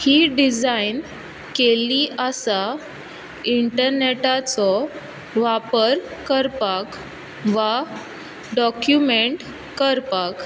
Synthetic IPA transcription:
hiɖid͡zain | keliʔasa | iɳʈəɾneʈat͡sɔ | ʋapəɾkəɾpak | ʋa | ɖɔkjumeɳʈ | kəɾpak

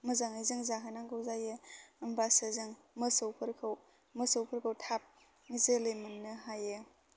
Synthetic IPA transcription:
mɯzaŋɯjzɯŋzaɦanaŋɡɯwzajɯːmbasɐzɯŋ | mɯsowpʰɯɾkʰaw | mɯsowpʰɯɾkʰɯwtʰap̚ | ŋizɯlejmɯnːɯɦajɯ

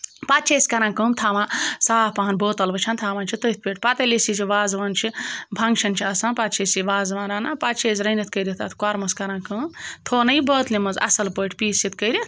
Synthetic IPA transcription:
pat̪t͡ʃʰeːsʲkɐɾãːkəːmt̪ʰaːʋãːsaːpaɦɐnboːt̪ɐlbɐt͡ʃʰɐnt̪ʰaːʋaːnt͡ʃʰit̪ət̪̚ʰʲpʲeːʈʰʲpɐt̪ɐlʲisit͡ʃʰiʋaːzʋɐːnt͡ʃʰibʱɐŋɡt͡ʃʰɐnt͡ʃʰiɐsãːnpɐt̪̚t͡ʃʰeːsiʋaːzʋãːɾaːnaːpat͡ʃʰeːsʲɾɐnit̪kəjɾʲit̪ʰa̰t̪ʰkaɾmɐskɐɾãːkəːmt̪ʰoːnɐjbəːt̪limɐzɐ̰sɐlpəːʈʰpiːsit̪kəjɾʲi

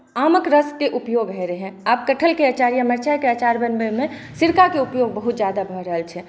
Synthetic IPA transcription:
aːməkɾəskeʔupjoɡɦɛɾəɦɛ̃aːp̚kəʈʰəlkeət͡ʃaɾijəməɾt͡ʃajkeət͡ʃaɾbənbemẽsiɾkakeupjoɡ̚bəɦut̪̚d͡ʒjad̪abʱɔɾəɦəlt͡ʃʰɛ

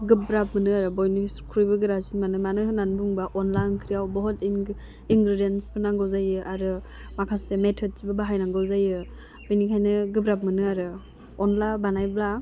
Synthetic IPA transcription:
ɡɯbɾap̚mɯnɯaɾɯbɔjniskʰɾɔjbɯɡɯɾasimanɯmanɯɦɯnanbuŋbaʔɔnlankʰɾijawbɔɦɔt | iŋɡɾidienspʰɯnaŋɡɯwzajɯʔaɾɯ | makʰasemetʰɔd̚sibabaɦajnaŋɡɯwzajɯ | bɯjnikʰajnɯɡɯbɾap̚mɯnɯaɾɯ | ɔnlabanajbla

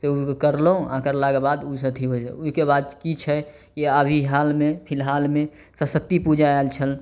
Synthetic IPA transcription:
seukkəɾlõã̰kəɾlakebad̪uisət̪ʰiɦoḭuikebad̪kit͡ʃʰɛ | kiəbʱiɦalmepʰɪlɦalme | səsət̪ːipud͡ʒaelt͡ʃʰəl

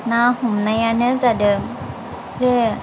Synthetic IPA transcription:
nahumnajanɯzadɯ | ze

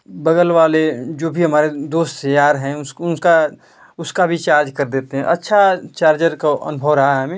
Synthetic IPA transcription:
bɐɡəlʋaːled͡ʒoːbʱiɦɐmaːɾed̪oːst̪əjaːɾɦɛ̃ʊsʊnka | ʊskabʱit͡ʃaːɾd͡ʒkɐɾd̪eːt̪eɦɛ̃ʔɐtːʃʰat͡ʃaːɾd͡ʒəɾkaʔɐ̰nʊbʱəʋɾɐɦaɦɛmẽ

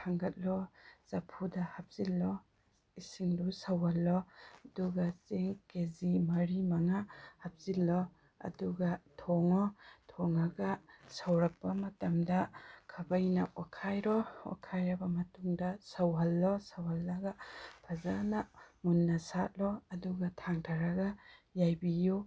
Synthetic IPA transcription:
aŋɡɐt̚lɔz̥apʰudahap̚z̥ilːɔ | isiŋdusawɦalːɔɐduɡaseŋkezimɐɾimaŋahap̚z̥ilːɔ | ɐ̰duɡatʰɔŋɔtʰɔŋaɡasawɾɐk̚pːɐmɐtɐmdɐkʰɐbɐjna̰ʔwakʰajɾɔwa̰kʰajɾɐbɐmɐtuŋdɐsawɦɐlːɔsawhɐlːɐɡapʰɐzanaŋunːasat̚lɔɐduɡatʰaŋtʰaɾaɡajajbiju

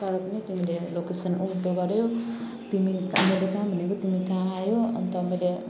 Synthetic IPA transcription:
aɾpʌnit̪imilelokesʌnumʈ̪oɡʌɾjo | t̪imikmʌjlekãbʱʌnekot̪imikãajoʌnt̪ʌmʌjle

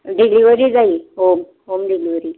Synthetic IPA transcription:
ɖiɡliʋəɾiːd͡zaiɦom | ɦomɖiɡliʋəɾiː

